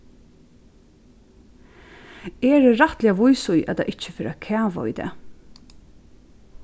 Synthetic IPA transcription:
ɛːɾɾat̪lɛaʋʊjsʊjʔæ̰t̪a̰ʔɪht͡ʃəfɛːɾakʰæːʋa̰ḭt̪ɛ̰ː

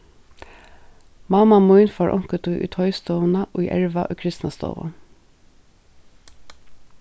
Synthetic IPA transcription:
mɑmamujnfaːɹʔɔ̰ŋ̥kət̪uʔṵt̪ʰɔʏst̪ɔnaʔɔiʔɛɹʋaʔɔ̰ːkʰɾɪst̪nast̪ɔ̰ːʋa̰

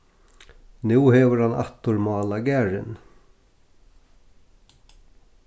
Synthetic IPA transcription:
nʉːhɛːʋəɾhana̰t̪ʊɾmɑːlaɡæːɾɪ̰n

